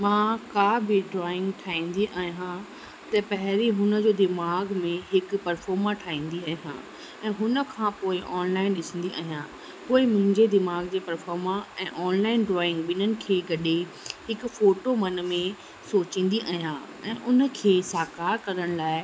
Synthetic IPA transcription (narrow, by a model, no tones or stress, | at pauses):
mãːkaːbɪɖɾɔːɪ̃ŋɡʈʰaːĩːnd̪iʔaːɦijã | t̪ɐpɐɦɪɾiɦʊnə̆d͡ʑoːd̪ɪmaːɡmẽɦɪkpɐɾfɔːɾmãʈʰaːĩːn̆d̪iaːɦijã̰ː | ɛ̃ːɦʊnə̆kʰãːpoːɪʔɔːnlaːɪnɗɪsə̃nd̪iʔa̰ːɦijã | poːɪmʊ̃ɦɪ̃ɲd͡ʑed̪ɪmaːɡd͡ʑeːpɐɾfɔːɾmãɛ̃ːʔɔːnlaːɪnɖɾɔːɪ̃ŋɡɓɪnənɪ̆kʰeːɡɐɗe | hɪkʊ̆foːʈomɐnmẽ | soːt͡ɕĩːn̆d̪iʔa̰ːɦijã | ɛ̰̃ːʔʊnə̆kʰeːsaːkaːɾkɐɾəɽ̃laːɪ